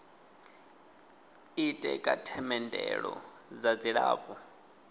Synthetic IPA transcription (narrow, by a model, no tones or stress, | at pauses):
itʼɛkʼatʰɛmɛndʼɛɺɔ | zad͡ziɺaːɸa